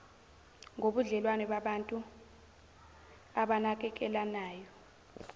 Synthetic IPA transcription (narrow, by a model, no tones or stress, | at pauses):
ŋoɓuɮɛlwanɛɓaɓantʼu | aɓanak̬ɛk̬ɛlanaːjɔ